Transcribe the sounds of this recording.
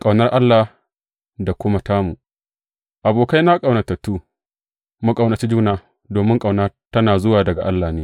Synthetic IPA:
kʼa˨wnɐ˦rʔa˦lːa˨ | da˨kʷʊ˦mɐ˨taː˦mu˨ | ʔa˨boː˨ka˦jna˦kʼa˨wnɐ˨tɐ˨tːuː˦ | mu˦kʼa˨wnɐ˨t͡ʃi˦d͡ʒuː˦naː˨ | doː˨mɪ˦ŋkʼa˨wnaː˦tɐ˦naː˨zʊ˦waː˨dɐ˨ɡa˨ʔa˦lːa˨neː˦

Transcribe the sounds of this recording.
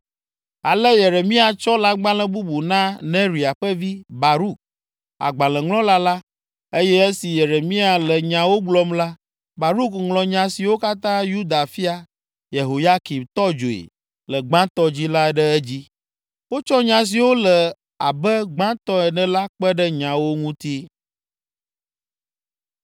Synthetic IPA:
a˨lə˦je˨ɾe˨mĩ˦a˨t͡ʃɔ˦la˦ɡ͡bã˦lɛ̃˦bu˦bu˨nã˦nɛ̃˦ɾi˨a˨ɸə˦vi˦ba˨ɾu˦k̚ | a̰˨ɡ͡bã˨lɛ̃˨ŋlɔ̃˦la˦la˦ | e˦jɛ˦ɛ˦si˨je˨ɾe˨mĩ˦a˨lɛ˨ɲã˨wo˦ɡ͡blɔ˦mla˦ | ba˨ɾu˦kŋlɔ̃˨ɲã˨si˨wo˦ka˦t̪ã˦ju˦d̪a˨fi˦a˨ | je˨ɦo˨ja˦ki˨bt̪ɔ˦d͡ʒo˨ḛ˨ | lə˨ɡ͡bã˦t̪ɔ˦d͡ʑi˦la˦ɖɛ˦ɛ˦d͡ʑi˦ | wo˦t͡ʃɔ˦ɲã˨s̬i˨wo˦lɛ˨ | a˨bɛ˦ɡ͡bã˦t̪ɔ˦ɛ˨nɛ̃˨la˦k͡pɛ˦ɖɛ˦ɲã˨wo˦ŋũ˦t̪i˦

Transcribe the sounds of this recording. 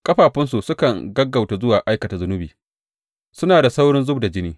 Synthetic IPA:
kʼɐ˦ɸaː˨ɸɪ˦ns̬u˨sʊ˦kɐ˨ŋɡɐ˦ɡːa˨wta˨zʊ˦waː˨ʔa˦jkɐ˨ta˨zʊ˦nʊ˦biː˨ | sʊ˦naː˨da˨sa˦wɽɪ˦nzʊ˦bda˨d͡ʒɪ˦niː˦

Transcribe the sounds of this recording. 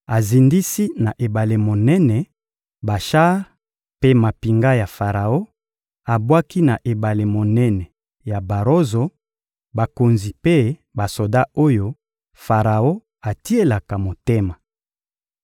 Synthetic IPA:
a˨zi˨ndi˦si˦na˨ʔe˨ba˨le˨mo˨nɛ˦nɛ˨ | ba˨ʃa˦ʁ | pe˦ma˨pi˨ŋɡa˦ja˨fa˨ʁa˨o˦ | a˨bwa˦ki˦na˨ʔe˨ba˨le˨mo˨nɛ˦nɛ˨ | ja˨ba˨ʁo˦zo˨ | ba˨ko˨nzi˨pe˦ba˨so˨da˦o˦jo˦ | fa˨ʁa˨o˦ | a˨ti˦e˦la˨ka˨mo˨te˦ma˨

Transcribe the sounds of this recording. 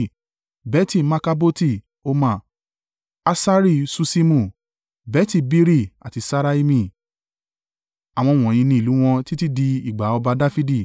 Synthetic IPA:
bɛ˨˦ti˦˨ma˧ka˧bo˦ti˦˨ | o˧mã˦˨ | a˧sa˦ɾi˦˨su˧si˦mũ˧˨ | bɛ˦ti˦˨bi˦ɾi˦a̰˨ti˨˧sa˧ɾa˧˦i˧mĩ˧˨ | a˨w̃ɔ̃˧˨w̃ɔ̃˨j̃ĩ˧nĩ˧i˨lu˨˦w̃ɔ̃˧ti˦ti˦di˧i˨ɡ͡ba˨˦ɔ˧ba˧da˦fi˦di˦˨

